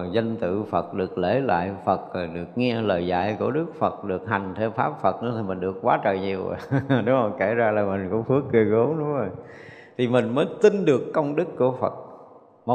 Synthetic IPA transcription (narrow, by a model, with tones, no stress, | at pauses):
zə˧nt̪ɨ̰˧˨fə˨˩t̚ɗɨ˨˩ək̚le˧˩la̰ː˧˨jfə˨˩t̚ːɗɨ˨˩ək̚ŋɛ˧ələː˨˩jza̰ː˧˨jku˧˩əɗɨ˦˥ək̚fə˨˩t̚ɗɨ˨˩ək̚ɦa˨˩jŋ̟t̪ʰe˧wfaː˦˥p̚fə˨˩t̚nɨ̰˧˥t̪ʰi˨˩mï̟˨˩ɗɨ˨˩əkkwaː˨˦t͡ɕə̰ː˧˨˩ɲi˨˩əw̰ɗʊ˨˦zo˨˩jke˧˩zaː˧laː˨˩mï˨˩ŋ̟kʊ̰˧˥ŋ͡mfɨ˦˥ək̚kɨ˨˧˩əɣo˨˦ɗʊ̰˧˦ŋ͡mzo˨˩j | t̪ʰi˨˩mï˨˩ŋ̟məː˨˦jt̪i˧nɗɨ˨˩əkːə˧wŋ͡mɗɨ˦˥kːu˧˩əfə˨˩t̚ | m˨˦